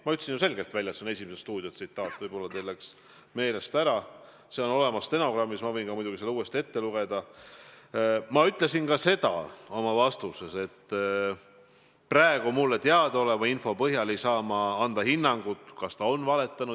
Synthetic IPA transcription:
mɑyt̪ːˑsinjuse̞lɡ̥e̞lt̪vælʲjɑsene̞simesest̪uːd̪iosit̪ːˑɑːt̪ːˑvɤjb̥o̞lːɑt̪elːeks | me̞ːle̞st̪æɾɑ | se̞o̞no̞le̞mɑst̪e̞no̞krɑmːismɑvɤjnkɑmujd̪uɡiselːeuːe̞st̪ie̞t̪ːe̞luɡ̥e̞d̪̥ɑ | mɑyt̪ˑle̞sinkɑse̞d̪̥ɑ̰o̞mɑvɑst̪use̞se̞t̪ː | præeɡ̥umulːet̪eɑd̪̥o̞le̞vɑinfo̞pɤɦjɑle̞jsɑːmɑɑnd̪̥ɑhinːɑŋɡ̥ut̪ːˑkɑst̪ɑo̞nvɑle̞t̪ˑːɑnu̥

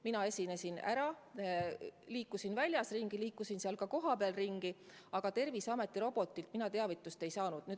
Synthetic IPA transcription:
minɑe̞sʲinesinæ̰ɾɑ | liːkːˑusinvælʲjɑsriŋɡ̥iliːkːusinseɑlkɑko̞ɦɑpeɑlriŋɡ̥i | ɑɡ̥ɑt̪e̞rvisɑme̞t̪ˑːiɾo̞b̥o̞t̪ːˑilt̪̚minɑt̪e̞ɑvit̪ːˑust̪e̞jsɑːnud̪̥nyː

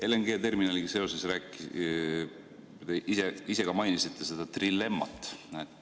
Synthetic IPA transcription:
elenɡ̥e̞ːt̪e̞rminɑliɡise̞o̞sesræːkːi | t̪eʔiseise̞ɡ̥ɑmɑjnisit̪ːese̞d̪̥ɑt̪rilːe̞mːɑ̰t̪ːˑnæ

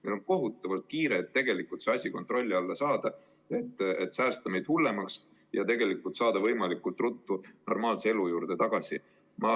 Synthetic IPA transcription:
melo̞nko̞ɦut̪ːˑɑvɑlt̪̚kiːɾe̞ːt̪ːe̞ɡ̥e̞likːult̪seɑsʲiko̞nt̪ˑro̞lʲːiɑlːɑsɑːd̪̥ɑ | e̞t̪ːˑet̪sæːst̪ɑmejd̪hulːe̞mɑks | jɑ̰t̪e̞ɡe̞likːˑult̪sɑːd̪ɑvɤ̞jmɑlikːult̪ˑrut̪ːuno̞rmɑːlseelujuːɾd̪̥e̞t̪ɑɡ̥ɑsʲi | mɑ

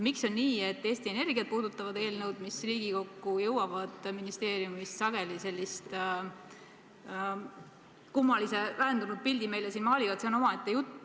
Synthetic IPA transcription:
mikso̞nːiːe̞t̪ːe̞ːst̪ie̞ne̞rɡiɑd̪̚puːd̪ut̪ˑːɑvɑd̪e̞ːlnɤwd̪misriːɡ̥iko̞kːujɤwwɑvɑd̪̥minist̪e̞ːɾijumist̪sɑɡ̥e̞lise̞lːist̪ | kumːɑlise̞væɦend̪unud̪̚pilʲd̪ime̞jlesiːnmɑːliɡ̥ɑt̪seono̞mɑet̪ːˑejut̪ː

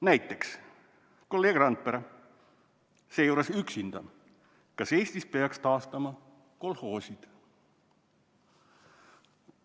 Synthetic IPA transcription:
næjt̪ːˑe̞ks | ko̞lːe̞ːɡ̥rɑnt̪̚peɾɑ | sejuːɾesyksind̪̥ɑ̰ | kɑse̞ːsʲt̪ispe̞ɑkst̪ɑːst̪ɑmɑ | ko̞lho̞ːsʲid̪̥

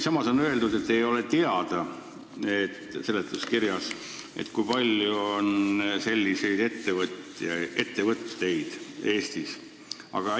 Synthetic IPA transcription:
sɑmɑso̞nø̞eld̪ud̪e̞t̪ːejo̞le̞t̪eɑd̪̥ɑ | et̪ːse̞lːet̪ːˑuskiɾjɑs | ʔḛt̪ːˑkujpɑlʲjuonse̞lʲːise̞jd̪e̞t̪ːe̞vɤt̪ːjɑe̞t̪ːe̞vɤt̪ːˑt̪e̞jd̪̥e̞ːst̪is | ɑ̰ɡ̥ɑ

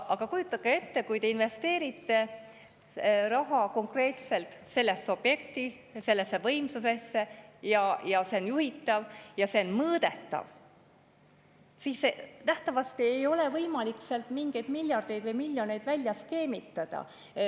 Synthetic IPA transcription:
ɑɡ̥ɑkujut̪ːˑɑɡ̥ee̞t̪ːe̞kujt̪e̞inve̞st̪e̞ːɾit̪ːˑe̞ | rɑɦɑko̞ŋkre̞ːt̪se̞lt̪ˑse̞lːe̞sːo̞b̥je̞k̚t̪i | se̞lːe̞sːe̞vɤ̞jmsuse̞sːe̞jɑjɑse̞o̞njuhit̪ːˑɑvjɑse̞onmɤːd̪̥e̞t̪ːˑɑ̰v | siːsenæht̪ɑvɑst̪iejo̞le̞vɤjmɑlikseɑlt̪ˑmiŋɡ̥e̞jd̪milʲjɑrd̪̥e̞jd̪vɯjmilʲjo̞ne̞jd̪vælʲjɑske̞ːmit̪ːˑɑd̪̥ɑ̰

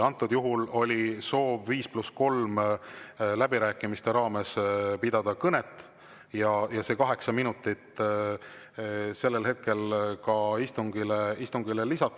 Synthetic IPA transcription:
ɑnt̪ːˑud̪̥juɦulo̞lʲiso̞ːvːiːsplusko̞lm | læbiɾæːkːˑimist̪e̞ɾɑːmespid̪̥ɑd̪̥ɑkɤne̞t̪ːˑ | jɑjɑse̞ːkɑɦe̞ksɑminut̪ːˑit̪ | se̞lːelɦet̪̚ke̞lkɑist̪uŋɡileist̪uŋɡ̥ilelisɑt̪ːˑ

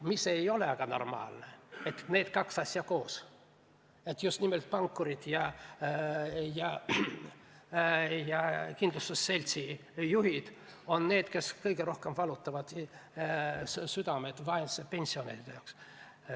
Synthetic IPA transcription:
mise̞jo̞leɑɡ̥ɑno̞̰rmɑ̰ːlneet̪ːne̞ːd̪̥kɑksɑsʲjɑko̞ːs | e̞t̪ːˑjust̪nime̞lt̪̚pɑŋkːuɾid̪̥jɑ | jɑ | jɑkind̪lust̪usːe̞lʲt̪sijuɦid̪̥ | o̞nːe̞ːd̪̥ke̞skɤjɡe̞ɾo̞hke̞mvɑlut̪ːˑɑvɑd̪̥ | syd̪ɑmed̪vɑensepe̞nʲsio̞neɾid̪ejɑks

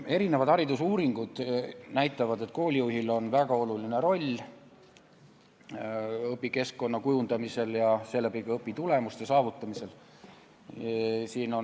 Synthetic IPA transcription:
e̞ɾine̞vɑd̪̥ɑɾid̪usuːɾiŋɡ̥ud̪̥næjt̪ːˑɑvɑd̪e̞t̪̚ːˑko̞ːlʲijuɦilo̞nvæɡ̥ɑo̞luline̞ɾo̞lʲː | ɤpːˑike̞skko̞nːɑkujund̪̥ɑmise̞ljɑse̞læpiɡ̥ɑɤpːˑit̪ule̞must̪esɑːvut̪ːˑɑmise̞l | siːno̞

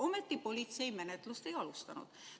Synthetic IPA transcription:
o̞met̪ːipo̞lʲit̪se̞jmenet̪ˑlust̪ejɑlust̪ɑnṵd̪̥

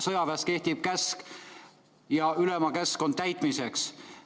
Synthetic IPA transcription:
sɤjɑvæst̪̚ke̞ht̪ib̥̚kæsk | jɑylemɑkæsko̞nt̪æjt̪ˑmise̞ks

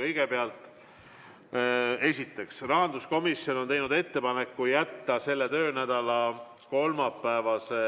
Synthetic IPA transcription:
ɤjɡ̥e̞peɑlt̪ˑ | e̞sʲit̪ːˑe̞ksrɑɦɑnd̪usko̞misjo̞not̪ejnud̪e̞t̪ːe̞pɑne̞kːujæt̪ːɑse̞lːe̞t̪ø̞ːnæd̪̥ɑlɑ | ko̞lmɑpːˑæevɑse̞

